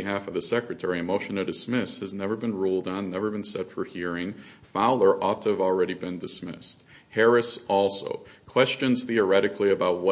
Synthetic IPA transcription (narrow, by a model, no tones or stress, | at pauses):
ɨɦæfʌvðɨsɛkɹɨtʰɛɹiɨmoʊʃɨ̃n̩ɨdɨsmɪshɨznɛvə˞bɨ̃nɹulˠdn̩nɛvə˞bɨ̃nsɛtfə˞hiɹɪ̃ŋ | faʊlˠə˞ʔɔtʰɨːvl̩ˠɹɛɾibɨ̃ndɨsmɪ̰st̚ | hɛɹɨsɔlˠsoʊkʰw̥ɛst͡ʃɨ̃nz̥θiə˞ɛɾɨkʰliɨbaʊt̚wʌ